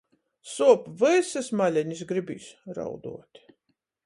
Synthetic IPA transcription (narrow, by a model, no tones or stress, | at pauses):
suɔpvɨsɨsmalʲɛɲisɡɾibḭːsɾa̰wd̪ṵɔt̪ʲ